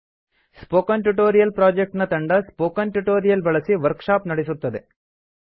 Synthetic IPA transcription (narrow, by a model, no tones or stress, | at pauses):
spoːkɐnʈuʈoːɾijɐlpɾaːd͡ʒek̚ʈnɐt̪ɐɳɖɐspoːkɐnʈuʈoːɾijɐlbɐɭɐsiʋɐɾkʂaːpnɐɽesut̪ːɐd̪e